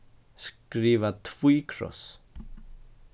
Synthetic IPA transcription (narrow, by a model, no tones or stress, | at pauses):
skɾiːvat̪ʰv̥ujkʰɾɔ̰s